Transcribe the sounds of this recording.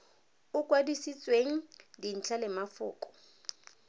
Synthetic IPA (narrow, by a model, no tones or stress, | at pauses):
ʊkʼwadisit͡sʼweŋ̩din̩t͡ɬʰalɪmafʊːkʼɔ̥